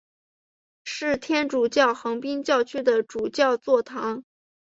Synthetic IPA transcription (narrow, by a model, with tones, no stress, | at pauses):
ʂɻ̩˥˩t̪ʰjɛ˥nʈ͡ʂu˨˩t͡ɕjɑ˥˩ʊxɤ˧˥ŋpi˥ŋt͡ɕjɑ˥˧ʊt͡ɕʰy˥d̪ə˨ʈ͡ʂu˨˩t͡ɕjɑ˥˧ʊt͡swɔ˥˩t̪ʰɑ˧˥ŋ